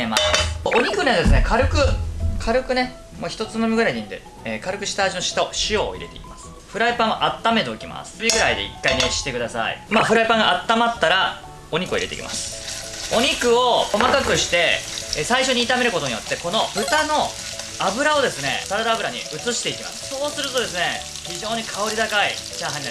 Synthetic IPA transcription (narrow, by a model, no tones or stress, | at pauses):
emasoɲ̟ikɯned̪e̞sɨne̞kʰaɾɯ̟kɯ̟kʰaɾɯ̟kɯ̟ne̞ | moçi̥t̪o̞t͡sɨmomʲiɡɯɾaiɲʲid̪ḛ | ekaɾɯ̟kɯ̟ɕi̥t̪aːʑino̞ɕi̥t̪aɕio̰ːḭɾe̞t̪eikimasɨ̥ | ɸɯ̟ɾaipãɰ̃aʔat̪ːame̞d̪oːikʲima̰sɨ̥bʲiɡɯ̟ɾaid̪e̞ḭkːaineɕi̥t̪ːe̞kɯ̟d̪asa̰ḭmaːɸɯ̟ɾaipãŋɡaːt̪ːamat̪ːaɾa | o̞ɲ̟ikɯ̟iɾeteḭkʲḭma̰sɨ̥o̞ɲ̟ikɯ̟o̞ko̞makakɯ̟ɕi̥t̪e̞saiɕo̞ɲ̟iːt̪ame̞ɾɯ̟kot̪o̞ɲ̟ijo̞t̪ːe̞ko̞no̞bɯ̟t̪ano̞ | abɯ̟ɾao̞d̪e̞sɨne̞̰saɾad̪aːbɯɾaɲ̟ḭɯ̟t͡sɨɕi̥t̪e̞ikʲima̰sɨ̥so̞ːsɨɾɯ̟t̪o̞d̪e̞s̬ɨne̞ | çiʑo̞ːɲ̟ikʰaoɾʲid̪akait͡ɕãɰ̃ɦaɲin